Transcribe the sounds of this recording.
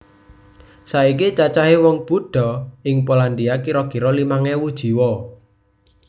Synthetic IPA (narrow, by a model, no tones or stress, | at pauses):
saikit͡ʃat͡ʃaɦewɔŋb̥uɖ̥ɔ̤ɪŋpoland̪iakiɾɔkiɾɔlimaŋewud̥ʒ̥i̤wɔ